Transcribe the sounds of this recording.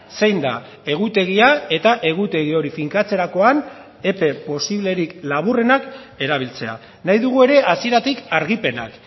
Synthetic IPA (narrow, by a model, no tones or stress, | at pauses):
sejnd̪a | e̞ɣ̞ut̪e̞ɣ̞iae̞t̪aʔe̞ɣ̞ut̪e̞ɣ̞io̞ɾifiŋkat͡se̞ɾako̞an | e̞pe̞po̞siβle̞ɾiklaβ̞ure̞nak | e̞ɾaβ̞ilt͡se̞a̰ | najðuɣue̞ɾe̞ʔasie̞ɾat̪ikaɾɣipe̞na̰k